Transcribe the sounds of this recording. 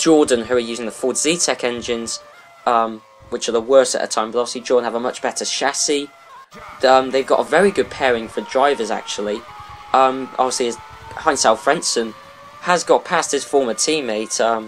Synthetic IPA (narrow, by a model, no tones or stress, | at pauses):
d̥ʒ̥ɔːdⁿn̩ʉəjʉːzɪ̃ŋðəfɔːdzitʰɛkɛ̃nd͡ʒɪ̃nz̥ | ʌ̃m | wɪt͡ʃəðəwɜˑstəʔðə̰tʰãɪ̃bʌtɒvɪslid͡ʒɔːdⁿn̩əvəmʌt͡ʃb̥ɛtʰəʃasi | ʌ̃mðeɪvɡɒ̰təvɛɹiɡʊd̚pʰɛːɹɪ̃ŋfədɹaɪvəza̰k̚t͡ʃuəlˠi | ʔʌ̃mʔɒ̰bviəsliɪz | hãɪ̃nsalˠfɹɛ̃nsə̃n | əzɡɒʔpʰast̚hɪz̥fɔːmətʰĩːmeɪtʌ̃m